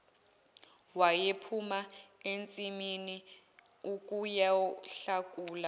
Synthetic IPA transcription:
wajepʰumaent͡sʼimini | uk̬ʼujaɬak̬ʼuːla

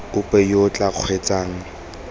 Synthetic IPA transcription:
ʊpʼɛjot͡ɬʼaq͡χʰwet͡sʼaːŋ̩

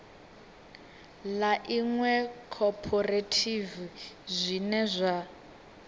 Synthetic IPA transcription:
laʔiŋwɛkʰɔpʰɔretʰivzʷinɛzʷa

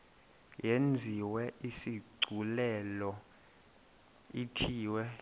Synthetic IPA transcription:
jend͡zʱiwɛisiɡ͡ǀʱulɛlɔ | itʰiːwɛ

